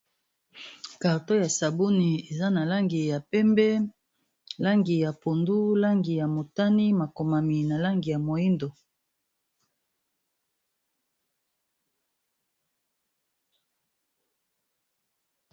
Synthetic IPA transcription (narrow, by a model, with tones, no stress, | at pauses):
ka˨ʁto˦ja˨sa˨bu˦ni˨e˨za˦na˨la˦ŋɡi˨ja˨pɛ˦mbɛ˦ | la˦ŋɡi˨ja˨po˨ndu˦la˦ŋɡi˨ja˨mo˨ta˦ni˦ma˨ko˨ma˨mi˨na˨la˦ŋɡi˨ja˨mo˨ji˦ndo˨